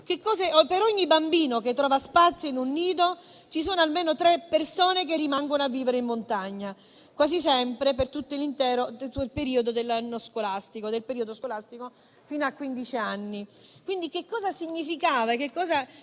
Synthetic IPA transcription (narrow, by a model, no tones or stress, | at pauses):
kekːɔːzeɔpeɾɔɲːibambiːnoket̪ːɾɔːvaspat̪sjoinunːiːd̪o | t͡ʃisoːnoalmeːnot̪ɾepːersoːnek̬erːimaŋɡonoavːiːveɾeimːont̪aɲːa | kwaːzis̬ɛmpɾepert̪ut̪ːoilint̪ɛːɾoilpeɾiːod̪od̪elːanːoskolast̪ikod̪elpeɾiod̪oskolast̪iko | fiːnoakːwind̪it͡ʃianːikwind̪ikekːɔːzasiɲːifikaːvaek̟ekːɔːza